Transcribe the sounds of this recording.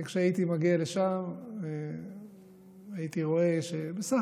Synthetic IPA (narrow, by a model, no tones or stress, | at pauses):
kʃeait̪imaɡialeʃame | ajit̪iʁo̞eʃebesa